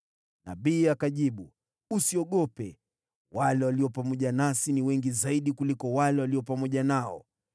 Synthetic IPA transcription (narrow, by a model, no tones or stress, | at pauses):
na̰ɓiːakaʄiɓu | usiɔɠɔpɛ | walɛwaliɔpamɔʄanasiniwɛŋɡizaiɗikulikɔwalɛwaliɔpamɔʄanaɔ̰